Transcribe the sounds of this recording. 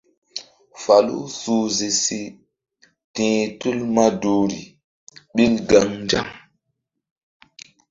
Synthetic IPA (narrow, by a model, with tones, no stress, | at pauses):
fa˨lṵ˦su˦zi˨si˦ | tĩː˨tu˦lma˦du˦ɾḭ˨ | ɓi˦lɡa˦ŋnd͡ʒa̰˦ŋ